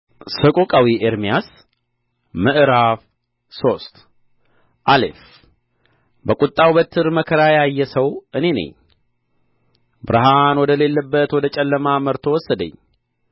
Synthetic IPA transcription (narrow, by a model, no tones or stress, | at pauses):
səkʼokʼawiʔeɾmijas | mɨʔɨɾaf | so̞st̪ | ʔalḛf | bəkʼut̪ʼːawbət̪ʰːɨɾməkʰəɾajajːɛsəwɨne̞nə̰ɲ | bɨɾɨɦanwɔd̪əle̞lːəbːət̪wɔd̪ət͡ʃʼɛlːəmaməɾt̪ʰo̞wɔsːəd̪ə̰ɲː